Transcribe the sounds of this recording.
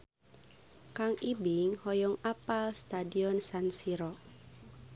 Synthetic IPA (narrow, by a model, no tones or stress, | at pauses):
kaŋibiŋhɔjɔŋapalst̪adiɔnsansiɾɔ